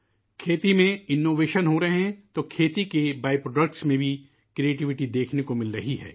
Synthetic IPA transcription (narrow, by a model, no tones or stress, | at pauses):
kʰeːt̪imẽɪnːoːʋeːʃənɦoɾɐɦeɦɛ̃t̪okʰeːt̪ikebaːjpɾoːɖək̚ʈsmẽbʱi | kɾieːʈɪʋɪʈid̪eːkʰnekomɪlɾɐɦiɦɛ̰ː